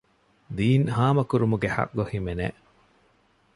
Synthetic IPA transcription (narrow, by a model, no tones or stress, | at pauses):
d̪iːnhaːmɐkuɾumuɡehɐ̰kɡohimenḛ